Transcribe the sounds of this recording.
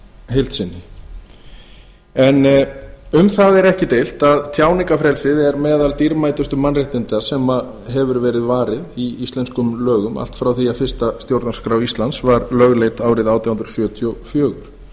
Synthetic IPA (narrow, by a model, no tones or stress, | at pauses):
ɦejl̥t̪sɪnːɪ | ɛn | ʏmθaðɛɾɛhcɪt̪ejl̥t̪aðt̪ʰjaːwnɪŋkafɾɛlsɪðɛɾmɛːðalt̪iɾmaːjt̪ʏst̪ʏmanreht̪ɪnt̪asɛma | ɦɛvʏɾvɛːɾɪðvaːɾɪðiist̪lɛnskʏmlœːɣʏma̰l̥t̪fɾawθiafɪrst̪ast̪jowɾt̪naskɾawist̪lansvaɾlœɣlejt̪aːwɾɪðaːwt̪ʰjawhʏnɾsjœːt̪ʰjɔfjœːɣʏɾ̥